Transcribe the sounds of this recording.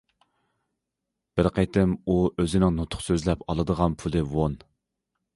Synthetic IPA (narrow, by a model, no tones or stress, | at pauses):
b̥ɪɾqʰət̪ʰɪmuøzɪnɪŋnot̪ʰʊ̥χsøzlɛpʰɑlˠɨd̪əʁɑnpʰulˠɨwon